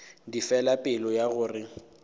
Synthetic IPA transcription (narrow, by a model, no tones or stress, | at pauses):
difɛlapʼɪlɔjaɣʊːrɪ